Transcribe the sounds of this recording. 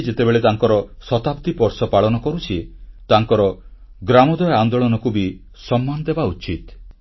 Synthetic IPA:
d͡ʒet̪ebeɭet̪aŋkɔɾɔsɔt̪apt̪ipɔɾsɔpaɭɔnɔkɔɾut͡ʃʰit̪aŋkɔɾɔ | ɡɾamɔd̪ɔjɔand̪oɭɔnɔkubi | sɔmːanɔd̪ebaut͡ʃit̪

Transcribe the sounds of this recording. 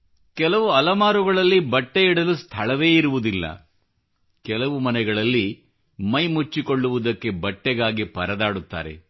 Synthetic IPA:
kɛlɐʋuɐlɐmaːɾuɡɐɭɐlːibɐʈːeiɽɐlust̪ʰɐɭɐʋe̞ːiɾuʋud̪ilːɐ̰ | kɛlɐʋumɐnɛɡɐɭɐlːi | mɐjmut͡ʃːiko̞ɭːuʋud̪ɐkːe̞bɐʈːɛɡaːɡipɐɾɐd̪aːɽut̪ːa̰ːɾe̞̰

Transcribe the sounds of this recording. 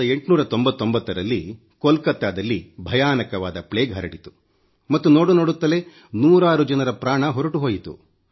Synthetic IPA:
ɐe̞ɳʈnuːɾɐt̪ombɐt̪ːombɐt̪ːɐɾɐlːi | kolkɐt̪ːaːd̪ɐlːibʱɐjaːnɐkɐʋaːd̪ɐpɭeːɡɦɐɾɐɽit̪u̥ | mɐt̪ːuno̞ːɽuno̞ːɽut̪ːɐle̞ | nuːɾaːɾud͡ʒɐnɐɾɐpɾaːɳɐɦɔɾɐʈuɦoːjit̪ṵ

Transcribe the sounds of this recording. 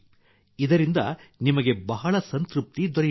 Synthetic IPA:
id̪ɐɾind̪ɐ̰nimɐɡe̞bɐɦɐɭɐsɐnt̪ɾup̚t̪id̪ɔɾe

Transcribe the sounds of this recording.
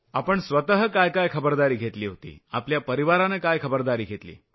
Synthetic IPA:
apəɳsʋət̪əɦəkajkajkʰəbəɾd̪aɾiːɡʱet̪liːɦot̪ḭːa̰pljapəɾiʋaɾanekajkʰəbəɾd̪aɾiːɡʱet̪lḭː

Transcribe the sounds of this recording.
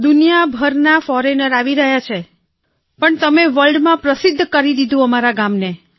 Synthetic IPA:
d̪unijabʱəɾnafɔɾenəɾaʋiɾəɦjat͡ʃʰe | pəɳt̪əmeʋəlɖmãpɾəsɪd̪ʱːkəɾid̪id̪ʱũəmaɾaɡamne

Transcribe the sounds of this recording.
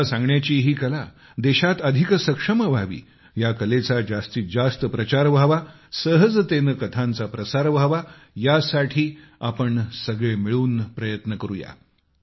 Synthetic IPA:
sãŋɡɳjat͡ɕiːɦiːkəla | d̪eɕat̪əd̪ʱiksəkʂəməbʱaʋḭː | jakəlet͡sad͡zast̪iːd͡zast̪əpɾət͡ɕaɾʋʱaʋa | səɦəd͡zt̪enəkət̪ʰant͡sapɾəsaɾʋʱaʋa | jasaʈʰiː | apəɳsəɡɭemiɭuːnpɾəjət̪nəkəɾuja̰

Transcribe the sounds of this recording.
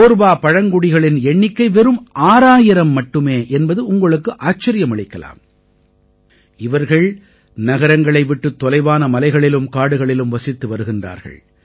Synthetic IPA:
oːɾʋaːpɐɻɐŋɡʊɽɪɣɐɭɪnɛɳːɪkːɐɪʋɛɾɯmʔaːɾaːjɪɾɐmːɐʈːɯmeːʔɛnbɐðɯʊŋɡɐɭɯkːɯʔaːt͡ʃːɐɾɪjɐmɐɭɪkːɐla̰ːm | ɪʋɐɾɣɐɭ | nɐɣɐɾɐŋɡɐɭɐɪʋɪʈːɯt̪ːɔlɐɪʋaːnɐmɐlɐɪɣɐɭɪlɯmkaːɽɯɣɐɭɪlɯmʋɐsɪt̪ːɯʋɐɾɯɣɪndra̰ːɾɣɐ̰ɭ

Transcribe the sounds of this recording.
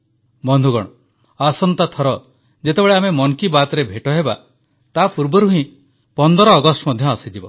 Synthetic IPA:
bɔnd̪ʱuɡɔɽ̃ɔ | asɔnt̪at̪ʰɔɾɔ | d͡ʒet̪ebeɭeamemɔŋkibat̪ɔɾebʱeʈɔɦeba̰ | t̪apuɾbɔɾuɦĩ | pɔnd̪ɔɾɔːɡɔsʈɔmɔd̪ʱjɔasid͡ʒibɔ

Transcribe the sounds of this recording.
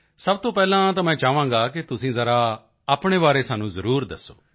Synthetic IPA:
səb̚t̪õːpɛːlãːt̪ãːmɛ̃ːt͡ʃaːʋãːŋɡaːkɪt̪ʊsĩːzəɾaː | aːpɳeːʋaːɾeːsaːnũːzəɾuːɾd̪əsːo̰ː

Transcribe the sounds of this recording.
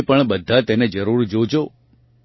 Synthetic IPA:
pəɳbəd̪ʱːat̪ened͡ʒəɾuɾd͡ʒod͡ʒo

